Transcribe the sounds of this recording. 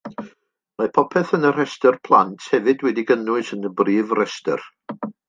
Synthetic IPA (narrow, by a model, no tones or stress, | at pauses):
mapʰɔpʰɛθənər̥ɛstərpʰlˠa̰ntʰhɛvɨdwɛdiɡənʊɨsənəbriːvrɛstə̰r